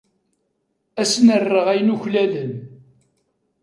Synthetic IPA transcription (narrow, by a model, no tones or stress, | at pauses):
æsnərːəʁæjənuçlælən